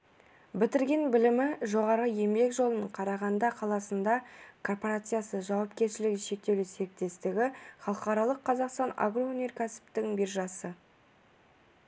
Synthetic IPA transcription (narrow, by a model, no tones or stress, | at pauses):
bɪt̪ɪɾɡʲe̞nbɪlɪmɪʒo̞ʁɑɾəje̞mbe̞kʒo̞lˠənəɴqʰɑɾɑʁɑnd̪ɑqʰɑlˠɑsənd̪ɑkʰo̞rpo̞ɾat̪sɨjasəʒɑwɑpkʲe̞ɾʃɪlɪɡʲɪʃe̞k̚t̪e̞wlɪse̞ɾɪk̚t̪e̞st̪ɪɡʲɪχɑlˠəqɑɾɑlˠəqʰːɑzɑqst̪ɑna̰ɡro̞unʲe̞rkʲʰæsɪ̥p̚t̪ɪŋbirʒɑsə